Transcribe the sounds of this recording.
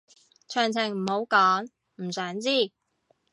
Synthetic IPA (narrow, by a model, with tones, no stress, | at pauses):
t͡ʃʰœː˨˩ŋt͡sʰɪ˨˩ŋm̩˨˩ho˨˥wkɔː˨˥ŋ | m̩˨˩sœː˨˥ŋt͡siː˥˩